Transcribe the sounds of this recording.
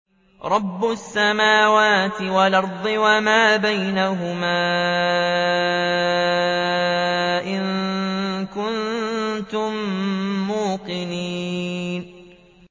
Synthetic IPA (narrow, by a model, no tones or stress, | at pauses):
ɾˤɑbːʊsːamaːwaːt̪ɪwalʔɑɾˤd̪ˤɨwamaːbajnaɦʊmaː | ʔɪŋ | kʊnt̪ʊmː | uːqɪniːn